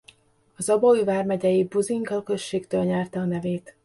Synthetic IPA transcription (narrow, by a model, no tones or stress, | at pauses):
ɒzɒbɒyvaːrmɛɟɛjibuziŋɡɒlkø̞ʃːeːkt̪øːlɲɛrt̪ɛɒnɛveːt̪